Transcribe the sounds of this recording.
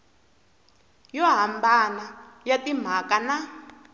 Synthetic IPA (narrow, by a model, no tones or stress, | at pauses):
jɔɦambanajatim̤akana